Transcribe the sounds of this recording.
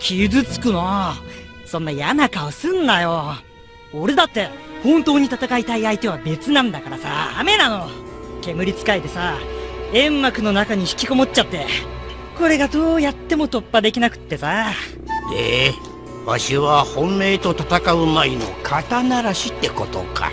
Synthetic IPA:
kʲʰizɨt͡sɨ̥kɯ̟na | sõ̞nːajanakaosɨ̃nːajo̞ | oɾe̞d̪at̪ːe̞hõ̞nt̪o̞ːɲ̟it̪at̪akait̪aiait̪e̞β̞abe̞t͡sɨnãnd̪akaɾasa̰ːme̞nano̞ke̞mɯ̟ɾʲit͡sɨ̥kait̪e̞saẽ̞mːakɯ̟no̞nakaɲ̟içi̥kʲiko̞mo̞t͡ɕt͡ɕat̪ːe̞ | ko̞ɾe̞ɡad̪o̞ːjat̪ːe̞mo̞t̪o̞pːad̪e̞kʲinakɯ̟̥t̪ːe̞sa | e | βa̰ɕiβahõ̞mːe̞ːt̪o̞t̪at̪akaɯ̟maino̞̰kʰat̪anaɾaɕit̪ːe̞ko̞t̪o̞̰ka̰

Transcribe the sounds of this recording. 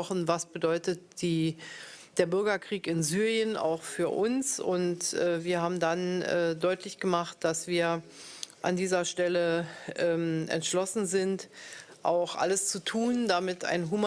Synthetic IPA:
ɔχn̩vasb̥ədɔʏtət̚d̥iː | d̥eːɐbʏɐɡɐkʁ̥iːkɪnzyːʁjəna̰ʊxfyːɐʔʊnsʊntʔɛːviːɐɦaːbm̩danɛːdɔʏtlɪçɡ̥əmaχt̚d̥asv̥iːɐʔa̰ndiːzɐʃtɛləʔɛːmʔɛ̰ntʃlɔsn̩zɪntʔaʊxʔa̰ləst͡sutʰuːndamɪta̰ɪnɦuma

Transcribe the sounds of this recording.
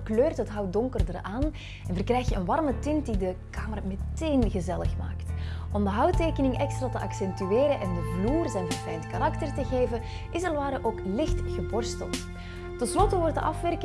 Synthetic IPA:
kløːrtətɦɑwdɔŋkərdəraːn | ɛnvərkrɛjxtjəənʋɑrmətɪnt̚didəkaːmərmɛteːnɣəzɛləxma̰ːktʔɔmdəɦɑwteːkənɪŋʔɛkstraːtəʔɑksɛntyeːɾəʔɛndəvluːrzɛjnvɑrfɛjntkaɾɑktərtəɣeːvə | ʔɪsərʋaːɾəʔoːklɪxtɣəbɔrstəlˠt | tɛnslɔtəʋɔrtdəʔɑfʋɛrk

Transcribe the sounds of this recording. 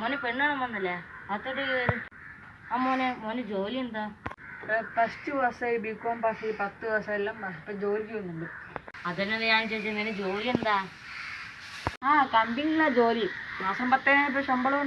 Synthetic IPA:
moːnːefeɳːaɳɐmʋɐnːɐlːɐɐt̪ːoʈːelɐɾu | aːmːoːnemoːned͡ʑoːliend̪aː | pɐstɨʋɐsɐibikːoːmpasɐipɐt̪ːɨʋɐsɐɐlːɐmːɐpːɐːd͡ʑoːlikʲːiʋɐnːuɳɖɨɐðɐnːɐnːɐɲaːnt͡ɕejt͡ɕːɐnened͡ʑo̞ːliend̪aː | aːkɐmbiŋːilːad͡ʑo̞ːlimaːsɐmpɐt̪ːɐjaip̬ːoːʂɐmbɐɭɐ

